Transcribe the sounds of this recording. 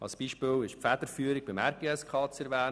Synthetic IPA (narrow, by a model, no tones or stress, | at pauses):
ɑ̰lsb̥iːʃpɪlɪʃpfæd̪̥əɾfyːəɾɪɡ̚bɪmæɾɡ̥eːɛskʰɑːt͡sɛɾʋæː